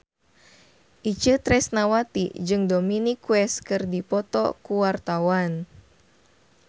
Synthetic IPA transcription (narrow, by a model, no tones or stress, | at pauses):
ʔit͡ʃət̪ɾɛsnawat̪ḭd͡ʒɨŋdominikwɛskɨrdipɔt̪ɔ̰kuwart̪awan